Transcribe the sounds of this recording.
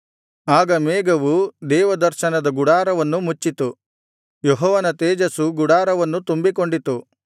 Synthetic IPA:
aːɡɐmeːɡɐʋud̪ɛːʋɐd̪ɐɾʃɐnɐd̪ɐɡuɽaːɾɐʋɐnːumut͡ʃːit̪u | joɦɔːʋɐnɐt̪eɛːd͡ʒɐsuɡuɽaːɾɐʋɐnːut̪umbiko̞ɳɖit̪u

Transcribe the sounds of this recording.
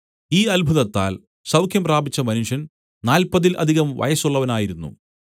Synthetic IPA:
iːɐlbʱuðɐt̪ːa̰ːl | sɐwkʰjɐmpraːbit͡ɕːɐmɐnuʂɐn | naːlpɐðilʔɐ̰d̪ʱiɣɐmʋɐ̰jɐsuɭːɐʋɐnaːjiɾunːṵ

